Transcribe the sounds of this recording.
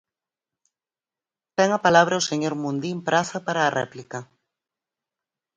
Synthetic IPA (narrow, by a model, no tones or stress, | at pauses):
t̪ɛŋapalaβ̞ɾʔaoseɲoɾmũnd̪impɾaθapaɾaːrɛ̰plika